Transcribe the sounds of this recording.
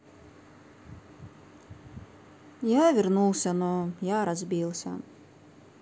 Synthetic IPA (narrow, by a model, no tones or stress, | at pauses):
jaːvʲiɾnulˠsʲanujaːɾazbʲiːlˠsʲa̰